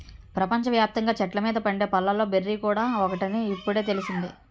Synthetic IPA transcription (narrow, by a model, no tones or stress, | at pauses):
pɾɐpɐɲt͡ʃɐʋjaːp̚t̪ɐŋɡaːt͡ʃɛʈlɐmiːd̪ɐpɐɳɖe̞ːpɐlːɐlːo̞ːberːiːkuːɽaːɔkɐʈiniːpːuɽe̞ːt̪e̞lisind̪i